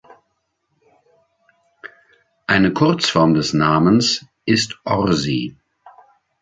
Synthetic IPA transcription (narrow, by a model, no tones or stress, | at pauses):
ʔaɪnəkʰʊɐt͡sfɔɐmdɛsnaːməns | ʔɪstʔɔʁzi